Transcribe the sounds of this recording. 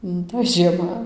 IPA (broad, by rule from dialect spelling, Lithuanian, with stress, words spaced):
nʊ toːj ʒʲiɛˈmɐ